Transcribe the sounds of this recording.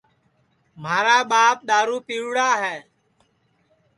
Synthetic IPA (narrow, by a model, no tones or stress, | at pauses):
maːɾaːɓaːp̚ɗ̪aːɾuːpiːwɽaːɦɛː